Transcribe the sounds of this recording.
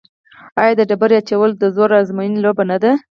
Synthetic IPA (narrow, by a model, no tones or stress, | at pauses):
ɑjɑd̪əɖabaɾeat͡ʃawəld̪əzoɾazmojinlobanad̪a